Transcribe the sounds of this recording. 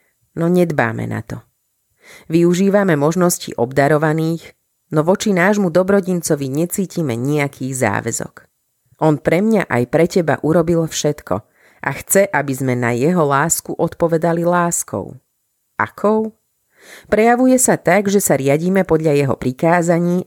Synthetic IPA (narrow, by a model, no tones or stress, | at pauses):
nɔɲɛd̪ba̰ːmɛ̰na̰t̪ɔ | ʋiuʒiːʋamɛmɔʒnɔscḭʔɔbd̪aɾɔʋaniːx | nɔʋɔt͡ʃinaːʒmud̪ɔbɾɔɟint͡sɔʋiɲɛt͡siːcimɛ̰ɲiakʰiːɣza̰ːʋɛ̰zɔ̰k | ʔɔnpɾɛmɲaʔa̰jpɾɛcɛba̰ʔuɾɔbilfʃɛt̪kʰɔ̰ | ʔaxt͡sɛʔabizmɛna̰jɛɦɔlaːskuʔɔt̪pɔʋɛd̪alilaːskʰɔ̰ʊ | ʔa̰kʰɔʊ | pɾɛjaʋujɛsat̪aɡʒɛsaɾɪaɟiːmɛpɔd̪ʎajɛɦɔ̰pɾikaːzaɲiː